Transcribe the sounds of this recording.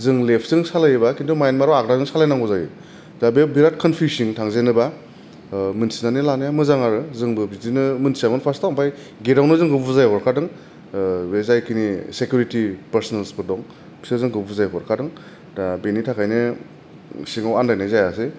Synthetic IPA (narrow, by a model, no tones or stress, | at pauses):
zɯŋlepʰzɯŋsalajbakindumajnmaɾɔwakɾazɯŋsalajnaŋɡɔzajɯ | dabebiɾat̚kʰɔnpʰjusiŋtʰaŋzenɯba | mɯnsinanilanjamɯzaŋaɾɯzɯŋbɯbizinɯmɯnsiamɯnpʰastawmpʰaj | ɡeɾawnɯzɯŋɡɯbuzajɔɾkʰadɯŋ | bezajkʰinisekjuɾitipɐɾsɔnelsbɯdɔŋ | bi̥sɯzɯŋɡɯbuzajbɔɾkʰadɯŋ | dabenitʰakʰajnɯ | siŋawandajnajzajase